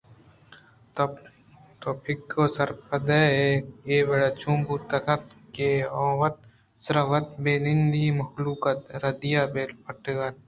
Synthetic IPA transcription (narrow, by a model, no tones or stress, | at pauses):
t̪oːpʰɪkːoːsɐɾpʰɐd̪eːejeːbɐɽat͡ʃʰũːmbuːt̪ɐkɐt̪keːɔ̃ːwɐt̪̚ | sɐɾɐʋɐt̪̚beːnind̪imɐxluːkɐt̪ɾɐd̪ijaːbeːlpʰɐʈɡɐn